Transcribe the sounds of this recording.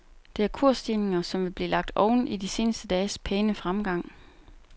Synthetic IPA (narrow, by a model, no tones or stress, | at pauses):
d̥e̝æɐkʰuɐ̰sd̥ine̝ŋɐsɒ̽mʋe̝b̥liːlɑ̈ɡ̥̚d̥ɒʊn̩ʔid̥ise̝ːnəsd̥əd̥ɛːspʰeːnəfʁamɡ̥ɑ̈ŋ̰